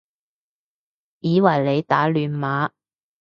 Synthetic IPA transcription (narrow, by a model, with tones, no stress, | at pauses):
jiː˨˧wɐ˨˩jle˨˧jt̪aː˨˥lyː˨˧nmaː˨˥